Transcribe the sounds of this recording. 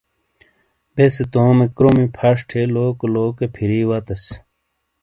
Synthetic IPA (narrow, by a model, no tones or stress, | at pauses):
beset̪oːmekɾomipʰɐʂʈʰeloːkloːkepʰiɾiːwat̪ɐs